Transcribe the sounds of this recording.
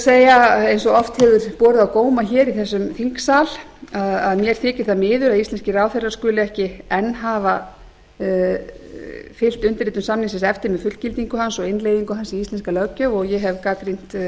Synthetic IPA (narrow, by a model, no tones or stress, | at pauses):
seːjaejnsɔɣɔft̪hɛvðʏɾ̥pɔːɾʏðawkoːwmaçɛːɾiθɛs̬ːʏmθiŋksaːl | aðaðmjɛɾ̥θɪːcɪ̥θamɪːðʏɾaðist̪ɛnscɪraːwθerḁskʏːlɪɛhcɪɛnːɦaːva | fɪl̥t̪ʏnt̪ɪɾiːt̪ʏmsamnɪŋsɪnsɛft̪ɪɾmɛðfʏt̪cɪlt̪iŋkʏɦansɔɣɪnlejðiŋkʏɦansiist̪ɛnskalœcœɔɣjɛɦɛvkaːkɾin̥t̪